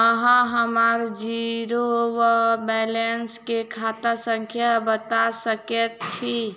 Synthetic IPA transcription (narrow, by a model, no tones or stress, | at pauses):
əɦə̃ɦəmaɾd͡ʒiɾowəbɛlenskekʰat̪asəŋkʰjabət̪asəket̪̚t͡ʃʰi